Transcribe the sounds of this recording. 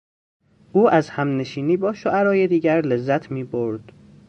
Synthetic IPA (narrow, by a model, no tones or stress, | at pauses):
ʔuːʔæzhæmne̞ʃiːniːbɒːʃoʔæɾɒːje̞d̪iːɟæɾle̞zːæt̪ʰmiːboɾd̪̥